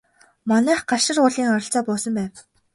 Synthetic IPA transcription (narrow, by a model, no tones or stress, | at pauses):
mɔnæːχɢaʃə̆rʊːɮiːŋɔɾɞ̆ɬt͡sɔːpʊːsɞ̆mpæːw